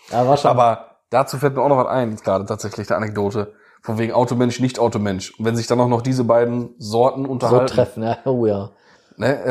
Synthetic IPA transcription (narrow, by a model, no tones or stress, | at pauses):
jaːvaːʃaːbɐ | d̥aːt͡suːfɛltmiːɐaʊxnɔχvatʔa̰ɪnjɛt͡sɡ̥ʁaːdətʰaːtz̥ɛçlɪçd̥ḭːʔa̰nɛk̚d̥oːtə | fɔnveːɡŋ̩ʔaʊtomɛnʃnɪçtʔaʊtomɛnʃʊntvɛnzɪçd̥anaʊxnɔχd̥iːzəbaɪdn̩zɔɐtn̩ʊntɐhatʁ̥ɛfn̩jaːoːjaː | nə